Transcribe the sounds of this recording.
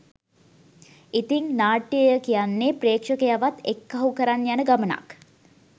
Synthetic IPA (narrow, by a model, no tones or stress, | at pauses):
it̪iŋnaːʈːijəjəkijanːepreːkʂəkejaʋat̪ekːɐɦukəɾanjanəɡaməna̰k